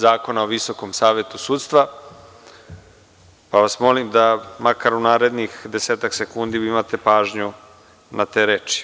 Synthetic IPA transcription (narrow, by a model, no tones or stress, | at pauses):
zaːko̞naoʋisokomsaːʋe̞t̪usuːt̪st̪ʋa | paʋasmo̞limd̪amakaɾunaːɾe̞d̪nixd̪eseːt̪aksekund̪iimat̪e̞paːʒɲu | nat̪e̞ːɾeːt͡ʃi̥